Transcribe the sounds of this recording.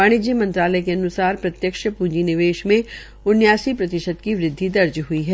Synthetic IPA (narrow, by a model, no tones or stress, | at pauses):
aːɽ̃ɪd͡ʒimɐ̃nt̪ɾaːləjkeɐnʊsaːɾpɾɐt̪jəkʃpuːd͡ʒinɪʋeːʃmẽ | ʊnjaːsipɾɐt̪ɪʃəd̪kiʋɾɪd̪ʱːid̪ɐɾd͡ʒɦʊiɦɛː